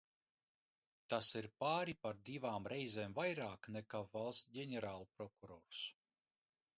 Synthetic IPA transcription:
t̪asiɾpaːɾipaɾd̪ivaːmɾɛjzeːmvajɾaːknɛkaːvalˠsɟʲɛnʲɛɾaːlˠupɾɔkuɾɔːɾs

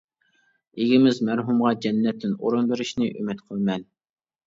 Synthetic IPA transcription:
eɡʲimɪzmæɾɦumʁɑd͡ʒɛnːɛt̪ʰːɪnoɾunbeɾɪʃnɪʔymɪt̪qʰəlˠmɛn

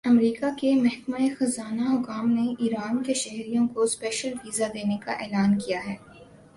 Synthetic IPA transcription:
ɐmɾiːkakemɐɦkmaexɐzaːnaɦʊkaːmneʔiːɾaːnkeʃɛɦɾijõkospɛːʃəlfiːzad̪eːneka̰ʔɛːlaːnkijaɦɛː

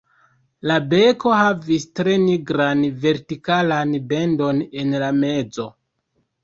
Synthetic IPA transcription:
labe̞ko̞havistɾe̞niɡɾanve̞ɾtikalanbe̞ndo̞ne̞nlame̞d͡zo̞

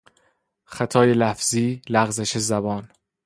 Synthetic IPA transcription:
xæt̪ʰɒːjelæfz̥iːlæɣzeʃezæbɒːn

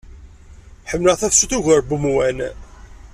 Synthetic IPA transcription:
ħəmːləʁθæθʃuθuʝəɾbəmwæn

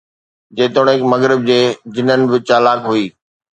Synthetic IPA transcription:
d͡ʑeːt̪oɽ̃ɦɪkmɐɣɾɪb̚d͡ʑeːd͡ʑɪnənɪ̆bɪt͡ɕaːlaːkɦuiː

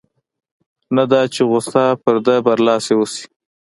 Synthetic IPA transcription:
nad̪ɑt͡ʃeɣʊsɑpəɾd̪əbaɾlɑsewusi̥

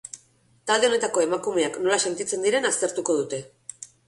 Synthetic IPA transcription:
t̪ald̪ene̞t̪ako̞e̞makume̞akno̞lase̞nt̪it͡se̞nd̪iɾe̞nast̪e̞ɾt̪uko̞ð̞ut̪e̞

